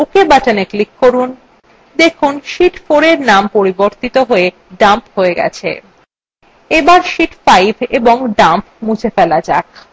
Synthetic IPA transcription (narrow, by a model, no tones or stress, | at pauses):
ukebataneklikːoɾun | d̪ekʰunʃiʈfoɾeɾnampoɾiboɾt̪it̪oɦoe | ɖamphoeɡɛ̰t͡ɕʰḛ | ebaɾʃiʈfajbʱeboŋɖampmũd͡ʑʱʰefɛlad͡ʑak̚